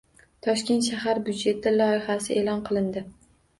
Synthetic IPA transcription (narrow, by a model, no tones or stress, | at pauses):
t̪ʰɒʃkʲe̞nt̪ʃahaɾbjʊd̪d͡ʒe̞t̪ʰɪlɒɪhasɪʔelɒnqʰɨlˠɪnd̪ɪ